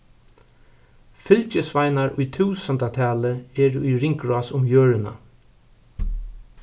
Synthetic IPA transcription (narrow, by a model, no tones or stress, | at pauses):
fɪlt͡ʃɪsvajnaɹʊjt̪ʰuːsənt̪at̪ʰɛːləɛːɾujɾɪŋkɹɔːsʊmjøːɹɪna̰